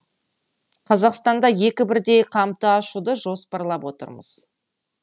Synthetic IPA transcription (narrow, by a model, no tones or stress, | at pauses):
qʰɑzɑqst̪ɑnd̪ɑje̞kʲɪbɪɾd̪e̞jqʰɑmt̪əɑʃud̪əʒo̞spɑɾlˠɑpwo̞t̪ə̰ɾmə̰z̥